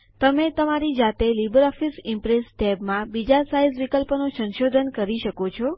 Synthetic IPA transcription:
t̪əmet̪əmaɾid͡ʒat̪elibəɾɔfisimpɾesɖɛbmãbid͡ʒasaizʋikəlpnosə̃nʃod̪ʱənkəɾiʃəkot͡ʃʰɔ

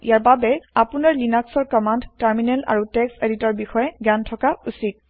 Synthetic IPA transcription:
ḭjaɹbabɛapunaɹlinaksɔɹkɔmandtaɹminɛla̰ɹutɛkseditɔɹbixɔjɛɡantʰɔkausit̚

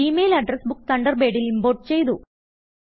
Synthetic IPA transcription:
imeːjlɐɖrɐsbukːt̪ʰɐɳɖɐrbe̞ːɖilimboːʈ̚t͡ɕe̞jt̪u

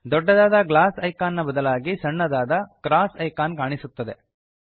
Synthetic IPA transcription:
d̪ɔɖːɐd̪aːd̪ɐɡlaːsɐjkaːnːɐbɐd̪ɐlaːɡisɐɳːɐd̪aːd̪ɐɡɾaːsɐjkaːnkaːɳisut̪ːɐd̪e̞

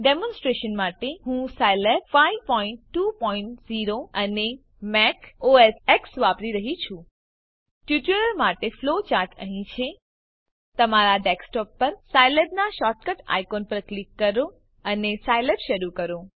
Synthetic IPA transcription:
ɖemɔ̃nsʈɾeʃənmaʈeɦũsajleb̚faiʋpɔ̃ĩɳʈːupɔiɳʈziɾoəne | mɛkoeseksʋapɾiɾəɦit͡ʃʰũ | ʈjuʈuləɾmaʈeflot͡ʃaɾʈəɦĩt͡ʃʰe | t̪əmaɾaɖeksʈɔpːəɾsajlebnaʃɔʈ̚kəʈa̰jkonpəɾklikːəɾo | ənesajlebʃəɾukəɾo

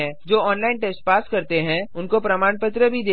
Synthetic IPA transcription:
ɛ̃d͡ʒoːɔːnlaːɪnʈɛːsʈ̚paːskɐɾt̪eɦɛ̃ʊnkopɾɐmaːnpət̪ɾəbʱid̪eː

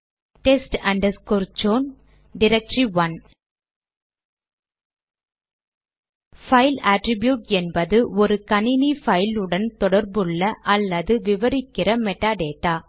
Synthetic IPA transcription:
ʈɛsʈɐɳɖɐskɔɾd͡ʒoːn | ɖɪɾɛk̚ʈɾiʋɐn | fɐɪlaːʈɾɪbjuːʈɛnbɐðɯʔɔɾɯkɐnɪnifɐɪlɯɽɐnt̪ɔɽɐɾbɯɭːɐʔɐlːɐðɯʋɪʋɐɾɪkːɪrɐmɛʈːaːɖeːʈːaː

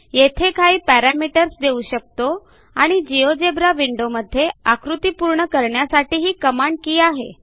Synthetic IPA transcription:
jet̪ʰekʰaiːpæɾamiʈəɾsd̪euɕək̚t̪o | aɽ̃id͡ʑijod͡ʑebɾaʋiɳɖoməd̪ʱːjeakɾut̪ipuɾɳəkəɾɳjasaʈiːɦiːkəmaɳɖ̚kiːaɦḛ

